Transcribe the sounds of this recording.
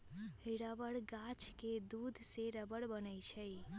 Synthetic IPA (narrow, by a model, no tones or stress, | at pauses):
hiɾabəɽɡat͡ʃked̪ud̪ʱseɾəbəɽbənəjt͡ʃʰəj